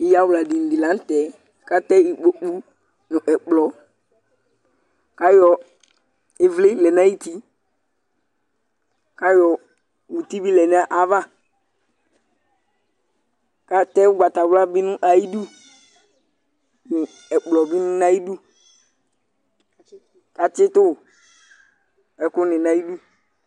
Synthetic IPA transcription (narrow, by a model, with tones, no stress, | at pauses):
i˦ja˦wla˨di˨n̩˨di˨lã˨˦tɛ˨˦ | ka˦tɛ˦i˨k͡po˨˦k͡pu˦ | nʊ˨ʔɛ˨k͡plɔ˨ | ka˦jɔ˨ | ɪ˦vlɪ˦lɛ˨na˦i˦ti˦ | ka˦jɔ˨ | wu˨ti˦bi˦lɛ˨nɪ˦a˦ʔa˨va˦ | ka˦tɛ˦ʊ˦ɡ͡ba˨ta˨wla˦bɪ˦nʊ̃˦ʔa˨i˦du˦ | nʊ˨ | ɛ˨k͡plɔ˨bɪ˦nʊ̃˦na˦i˦du˦ | ka˨t͡ʃɪ˦tʊ˦˨ | ɛ˨kʊ˦nɪ˨na˨ji˦du˦